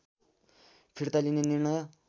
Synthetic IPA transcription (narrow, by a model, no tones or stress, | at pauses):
pʰirt̪alinenirɳʌj